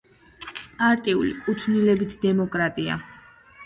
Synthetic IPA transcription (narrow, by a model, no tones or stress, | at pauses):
pʼaɾt̪ʼiṵlḭkʼut̪ʰnilɛbit̪ʰd̪ɛmɔkʼɾat̪ʼia̰